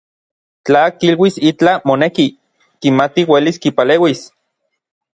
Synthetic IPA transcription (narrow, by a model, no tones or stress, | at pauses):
t͡ɬaːkilwisit͡ɬamoneki | kimat̪iweliskipaleːwis